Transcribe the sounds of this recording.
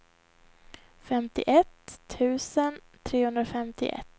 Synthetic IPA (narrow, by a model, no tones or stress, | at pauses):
fɛmt̪ɪ̰ʔɛt̪ʰːʉ̟ːsən | t̪ʰɾeːhɵnd̪ɾaɔfɛmt̪ɪ̰ʔɛ̰t̪ː